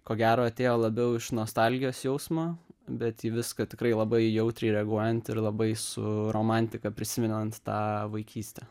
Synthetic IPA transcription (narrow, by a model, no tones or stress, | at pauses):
koːɡʲæːɾoːɐt̪ʲeːjoːlˠɐbʲɛʊɪʃnoːst̪ɑlʲɡʲɪjoːsjɛʊsmoːbʲɛt̪iːʋʲɪskɐt̪ʲɪkɾɐɪlˠɐbɐɪjɛʊt̪ʲɾʲɛɪɾʲɛɐɡuɔjɛnt̪ɪɾlˠɐbɐɪsʊ̰roːmɑnʲt̪ʲɪkɐpʲɾʲɪsʲɪmʲɪnʲnɐnt̪t̪ɑːʋɐɪkʲiːsʲt̪ʲɛ